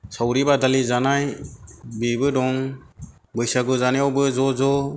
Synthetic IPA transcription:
sawɾibad̪alizanaj | bibɯdɔŋ | bɯjsaɡɯzanjɔbɯzɔzɔ

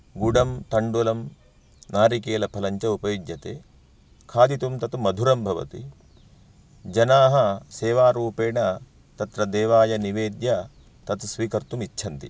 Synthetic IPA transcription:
ɡuɽɐmt̪ɐɳɖulɐm | naːɾikeːlɐpʰɐlɐɲt͡ʃɐupɐjid̪jɐt̪eː | kʰaːd̪it̪umt̪ɐt̪umɐd̪ʱuɾɐmbʱɐʋɐ̰t̪ḭ | d͡ʒɐnaːɦɐseːʋaːɾuːpeːɳɐ | t̪ɐt̪ɾɐd̪eːʋaːjɐniʋeːd̪jɐ | t̪ɐt̪usʋiːkɐɾt̪umit͡ʃːʃʰɐnt̪ḭ

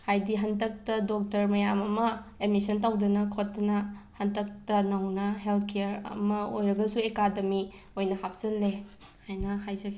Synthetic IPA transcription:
hajdiɦɐntɐk̚tɐdok̚tɐɾmɐjamɐmɐemisɐntawdɐnɐkʰotːɐnɐhɐntɐk̚tɐnɐwnɐɦeltʰkejɾɐ̰mɐo̰jɾɐɡɐsuekademi | ojnɐhap̚ʰz̥ɐnlehajnɐhajzɐɡ

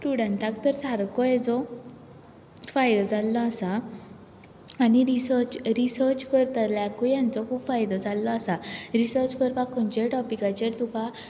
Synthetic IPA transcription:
sʈuɽəɳʈak̚t̪əɾsaɾkʰɔjɛd͡zɔ | fajd̪ɔd͡zʱalːɔasa | aniɾisəɾt͡ɕɾisəɾt͡ɕkəɾt̪aɾlakɔjãnt͡sɔkʰubfajd̪ɔd͡zalːɔasaɾisəɾt͡ɕkəɾpakʰɔnt͡ɕeʈɔpikat͡ɕeɾt̪uka

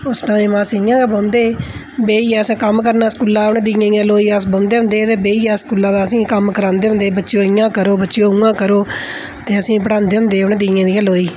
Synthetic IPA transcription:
ʊsnãːeːmãːsiɪjãːɡeːbãːnd̪eː | beːiːɛːsãːkəmkəɾnaːskuːlaːʊɳd̪ijãːjãːloːiːasbãːnd̪eːɦʊ̃nd̪eːt̪eːbeːiːɛːskuːlãːd̪aːəsĩːkəmkəɾãːnd̪eːʊ̃nd̪eːbətːʃjõːɪjãːkəɾoːbətːʃɪjõːũːãːkəɾoː | t̪eːəsĩːpəɽãːnd̪eːɦʊ̃nd̪eːʊnd̪iːjãːd̪iːãːloːiː

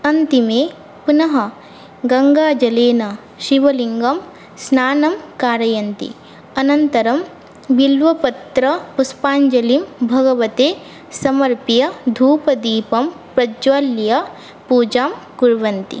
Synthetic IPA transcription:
ɐnt̪imeː | punɐɦɐ | ɡɐŋɡaːd͡ʒɐleːnɐ | ʃiʋɐliŋɡɐm | snaːnɐmkaːɾɐjɐnt̪ḭ | ɐnɐnt̪ɐɾɐm | ʋilʋɐpɐt̪ɾɐpuspaːɲd͡ʒɐlimbʱɐɡɐʋɐt̪eː | sɐmɐɾpijɐd̪ʱuːpɐd̪iːpɐm | pɾɐd͡ʒʋaːljɐ | puːd͡ʒaːmkuɾʋɐnt̪ḭ

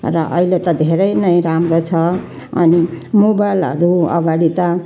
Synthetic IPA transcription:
rʌʔʌɦilet̪ʌd̪ʱeɾʌjnʌj̃ɾamrot͡sʰʌ | ʌ̰nimobajlʌ̰ɾuʌ̰ɡaɽit̪ʌ

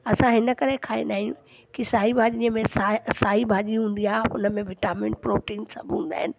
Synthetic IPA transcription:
ɐsãɦɪnəkɐɾekʰaːḛ̃nɗaːɦĩjũ | kisaːɦibʱaːʄĩəmẽsasaːɦibʱaːʄiɦũːn̆d̪iaːɦeʊ̰nəmẽʋɪʈaːmɪ̃ɳpɾoːʈiːnsa̰bʱũnd̪a̰ːɦɪnɪ̆

